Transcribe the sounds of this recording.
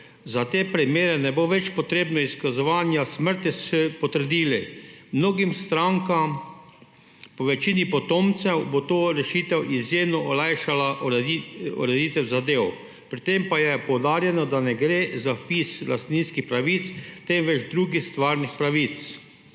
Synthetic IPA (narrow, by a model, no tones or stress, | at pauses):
zat̪eːpɾimjeːɾɛnɛboʋɛt͡ʃpɔt̪ɾeːbnɔiskazɔʋaːnjasməɾt̪issɛpɔt̪əɾd̪iːlimnoːɡimst̪ɾaŋkam | pɔʋɛt͡ʃinipɔt̪ɔmt̪sɛwbot̪oːɾɛʃiːt̪ɛwʔizjemnɔʔɔlajʃala | ṵɾɛd̪iːt̪ɛwzad̪eːw | pɾit̪empajɛpɔwd̪aːɾjɛnɔd̪anɛɡɾeːzapisla̰st̪ninskixpɾaʋit̪st̪ɛmʋɛd͡ʒd̪ɾuːɡixst̪ʋaːɾnixpɾaʋit̪s